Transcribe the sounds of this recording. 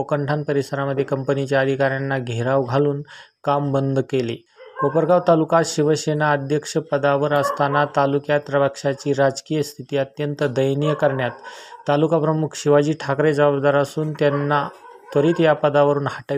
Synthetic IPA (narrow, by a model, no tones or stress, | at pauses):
okəɳʈʰanpəɾisəɾaməd̪ʱːjekəmpənit͡ɕjaəd̪ʱikaɾjanːaɡʱeɾaʋɡʱaluːn | kambənd̪ʱkelḭ | ʋopəɾkaʋt̪alukaɕiʋəɕenaəd̪ʱjəkʂəpəd̪aʋəɾəst̪anat̪alukjat̪ɾəʋəkʂat͡ɕiːɾad͡zkijəst̪ʰit̪iːət̪jənt̪əd̪əjnijəkəɾɳjat̪ːalukapɾəmukʰɕiʋad͡ʑiːʈʰakɾed͡zəbabd̪aɾasuːnt̪janːat̪əɾiːt̪japəd̪aʋəɾuːnhaʈə